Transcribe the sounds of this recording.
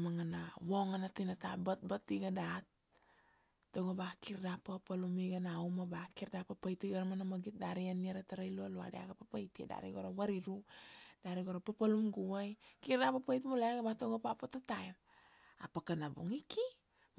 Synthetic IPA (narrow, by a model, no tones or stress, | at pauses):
maŋanawoŋanatinata̰bat̚batiɡadat̚ | oɡobakiɾdapapalumiɡanaumabakiɾdapapajtiɡaɾmanamaɡit̚daɾianiaɾataɾajlualua̰dea̰ɡapapajtḛda̰ɾiɡoɾawaɾiɾudaɾiɡoɾapapalumɡuwajkiɾdapapajt̬molaɡabatoɡopapatatajɾ | a̰pakanabuŋiki